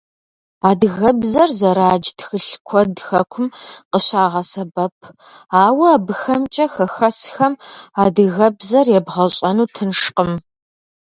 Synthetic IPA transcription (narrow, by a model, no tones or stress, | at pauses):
aːdɨɣɐbzɐrzɐɾaːd͡ʒtxɨɬkʷʰɔdxɐkʷʰʊmqəɕaːʁɐsɐbɐpʰ | aːwɐaːbɨxɐmt͡ʃʼɐxɐxɐsxɐmaːdɨɣɐbzɐrjɛbʁɐɕʼɐnuːtʰɨnʂqəm